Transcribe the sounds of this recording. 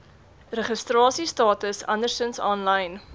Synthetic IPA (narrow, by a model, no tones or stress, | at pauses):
rəχəstrɑːsistɑːtəsɐ̰ndərstənsɔːnlɐjn